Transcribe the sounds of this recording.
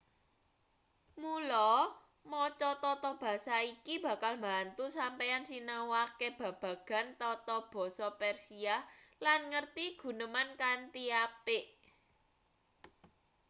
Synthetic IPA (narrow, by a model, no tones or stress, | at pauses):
mulɔ | mɔt͡ʃɔt̪ɔt̪ɔb̥ä̤saikib̥ä̤kalmbant̪usampejansinawakeb̥ä̤b̥ä̤ɡ̥a̤nt̪ɔt̪ɔb̥ɔ̤sɔpɛrsialanŋərt̪iɡ̥ṳnəmankant̪iapɪʔ